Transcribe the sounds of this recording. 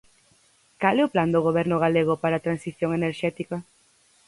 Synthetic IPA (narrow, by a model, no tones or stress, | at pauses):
kalɛʊpland̪oɣoβɛɾnʊɣ̞aleɣ̞ʊpaɾaːt̪ɾansiθjoŋeneɾʃɛt̪ikɐ